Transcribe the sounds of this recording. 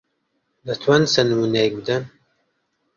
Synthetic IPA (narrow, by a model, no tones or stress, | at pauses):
nɐt̪ʰwɐnsɐnɨmuːnejk̚bɨd̪ɐn